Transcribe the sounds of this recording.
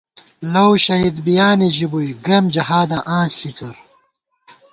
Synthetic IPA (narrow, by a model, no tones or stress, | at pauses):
lɐwɕɐɦid̪bijaːniʑibujɡɐmd͡ʑɐhaːd̪ɐʔãːnɬit͡sɐɾ